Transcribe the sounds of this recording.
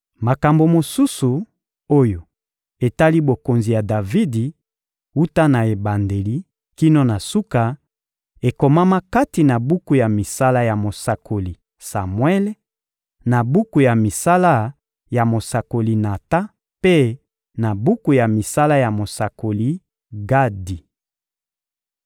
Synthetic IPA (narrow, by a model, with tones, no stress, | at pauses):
ma˨ka˨mbo˨mo˨su˦su˨ | o˦jo˨ | e˨ta˦li˦bo˨ko˨nzi˨ja˨da˨vi˦di˨ | u˦ta˦na˨e˨ba˨nde˨li˦ | ki˦no˦na˨su˦ka˨ | e˨ko˨ma˦ma˦ka˦ti˨na˨bu˦ku˨ja˨mi˨sa˦la˦ja˨mo˨sa˨kʰo˨li˨ | sa˨mwɛ˦l | na˨bu˦ku˨ja˨mi˨sa˦la˦ | ja˨mo˨sa˨ko˨li˨na˨ta˦ | pe˦ | na˨bu˦ku˨ja˨mi˨sa˦la˦ja˨mo˨sa˨ko˨li˦ | ɡa˦di˨